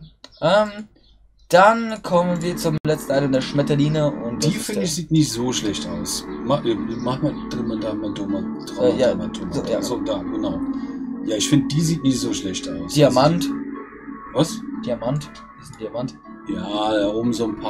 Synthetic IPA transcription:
ʔɛːm | d̥ankʰɔmənviːɐt͡sʊmlɛt͡stn̩ʔaɪnəɪndeːɐʃmɛtɐliːnəʔʊntdiːfɪdɪçz̥iːtnɪçtz̥oːʃlɛçtʔaʊsmamaχnad̥ʁɪmadamadʊma | d̥ʁaːjaːatʰʊzojaːzod̥aːɡ̥ənaʊjaːɪçfɪndəd̥iːziːtnɪçtz̥oːʃlɛçtaʊsd̥iːamant | vasd̥iamant | izd̥iamant | jaːdaʊmzoːnpʰa

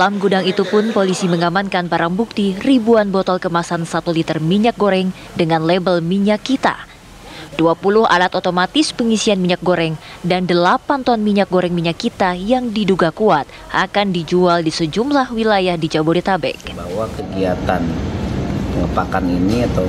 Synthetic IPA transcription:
dalamɡudaŋit̪upʊnpolisiməŋamankanpaɾaŋbuk̚t̪iribuanbɔt̪ɔlkəmasansat̪ulit̪ərmiɲak̚ɡoɾɛŋ | dəŋanlebəlmiɲakːit̪a̰ | d̥uapulʊɦa̰lat̪ot̪omat̪ɪspəŋisianmiɲak̚ɡoɾɛŋdandəlapant̪ɔnmiɲak̚ɡoɾɛŋmiɲakːit̪ajaŋdiduɡakuat̪̚ʔakandid͡ʒualdisəd͡ʒumlahwilajahdid͡ʒaboɾit̪abɛ̰k̚bawakəɡiat̪an | pəŋəpakaniniat̪a

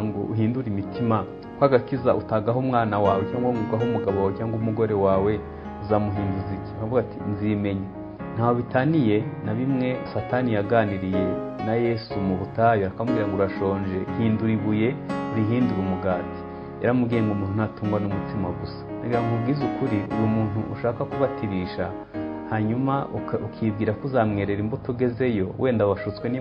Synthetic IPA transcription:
ŋɡo̰uɦiːnduɾimitima | kwaːɡakizaʔutaɡaɦomŋaːnawaːwecaːŋɡomuɡwaɦomuɡaβoawecaːŋɡomuɡo̞ɾe̞waːwe̞ | uzamuɦiːnduziciakavuɡatinzime̞ɲa | n̥haːoβitanijenaβimŋe̞sataːnijaɡaːniɾije̞naje̞sumuβutajoakamuɡiːɾaŋɡoɾɾaʃo̞ːɲd͡ʒe̞hiːnduɾiβuje̞ɾiɦiːnduɾumuɡaːti̥ | eɾamuɡiːɾeŋɡumuːn̥hunatuːŋɡwanumutimaɡusḁnaɡiɾaŋɡubɡizukuɾiujumuːn̥uʔṵʃaːkakuβatʰiɾiʃa | haɲumaukʰibɡiːɾakuzamŋe̞ɾeɾimbutuɡe̞ze̞jo̞wʔe̞ːndaβaʃut͡swe̞ni

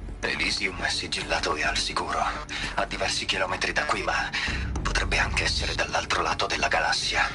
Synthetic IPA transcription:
ḛliziumɛsid͡ʒilːaːt̪oɛa̰lsikuːɾo | ad̪ːivɛrsik̟ilɔːmet̪ɾid̪akːwimapːot̪ɾʔɛbːeaŋk̟eɛsːeɾed̪alːalt̪ɾola̰ːt̪od̪elːaɡalasːja

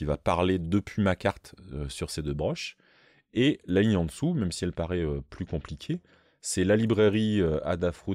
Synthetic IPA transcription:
ivapaʁled̪əpʰɥimakaʁt̪øsyʁsed̪øbʁɔʃ | elaliɲɑ̃d̪əsumɛmsiɛlpaʁɛøplykɔ̃plikʲʰe | sɛlalibʁeʁiøa̰d̪afχu

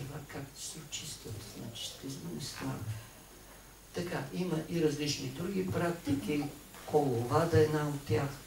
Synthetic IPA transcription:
vakakt̪sɛot͡ʃist̪vət̪zna̰t͡ʃi̥ʃt̪ɛzmɛnɛst̪a̰n | t̪ɐkaimɐʔiɾɐzlit͡ʃnid̪ɾuɡʲipɾakt̪ikʲi | kolˠovad̪ɐɛd̪naot̪ːʲjax

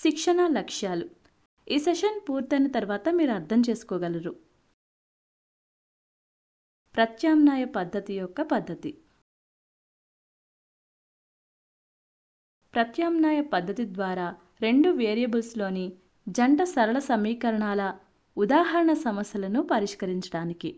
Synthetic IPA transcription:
ʃikʂɐɳɐlɐkʂjaːlu | iːseʂɐnpuːɾt̪ɐjnɐt̪ɐɾʋaːt̪ɐmiːɾuɐɾt̪ʰɐmt͡ʃe̞ːsu̥kɔːɡɐlɐɾu | pɾɐt̪jaːmnaːjɐpɐd̪ʱːɐt̪ijɔkːɐpɐd̪ʱːɐt̪i | pɾɐt̪jaːmnaːjɐpɐd̪ʱːɐt̪id̪ʋaːɾaː | ɾe̞ɳɖuʋeːɾijɐbulslo̞ːni | d͡ʒɐɳɖɐsɐɾɐɭɐsɐmiːkɐɾɐɳaːlɐ | ud̪aːɦɐɾɐɳɐsɐmɐsjɐlɐnupɐɾiʂkɐɾiɲt͡ʃɐɽaːniki

